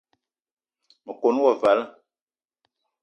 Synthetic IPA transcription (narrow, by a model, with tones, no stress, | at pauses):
mə˨ko˨n˦wɔ˦˨va˨˦lə˦